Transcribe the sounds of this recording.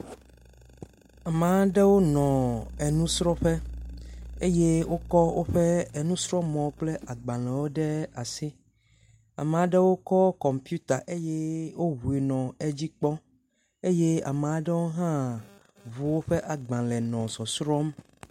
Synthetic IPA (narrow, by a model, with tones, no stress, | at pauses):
a˨mẽ˨a˦ɖe˦wo˦nɔ̃˨e˨nũ˦sɾɔ˦ɸe˦ | e˦je˦wʔo˦kɔ˦wo˦ɸe˦e˨nũ˦sɾɔ˦mɔ̃˨˦k͡ple˦a˨ɡ͡bã˨lɛ˨wo˦ɖe˦a˨si˦ | a̰˨mẽ˨a˨ɖe˦wo˦kɔ˦kɔ˨mpju˦t̪a˨ʔe˦je˦wo˦ɦu˨e˨nɔ̃˨e˦d͡ʑi˦k͡pɔ˦ | e˦je˦a̰˨m˨a˦ɖe˦wo˦ɦã˦ | vu˨wo˦ɸe˦ʔa˨ɡ͡bã˨lɛ˨nɔ̃˨sɔ˨sɾɔ˦m